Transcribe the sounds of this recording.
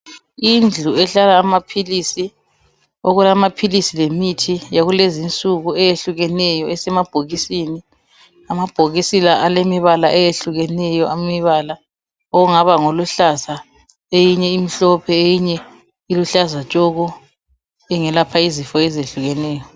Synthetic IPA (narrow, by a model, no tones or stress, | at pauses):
ind͡ɮʱuɛɬalaːmapʰilisi | oɣulamapʰilisilemitʰijaɣulezint͡sʼuɣuɛjeɬuɣɛnɛjɔɛsɛmab̥ʱoɣisini | amab̥ʱoɣisilaʔalemiβalaʔɛjeɬuɣɛnɛjɔʔammiβala | oɣuŋaβaŋoluɬaza | ejiɲɛimiɬɔpʰɛejiɲɛ | iluɬazat͡ʃʼɔɣɔ | ɛŋɛlapʰaizifɔɛzeɬuɣɛnɛːjɔ